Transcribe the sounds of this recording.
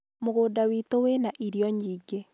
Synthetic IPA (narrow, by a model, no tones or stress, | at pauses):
moɣoːdawitowenaʔiɾjɔɲiːɡe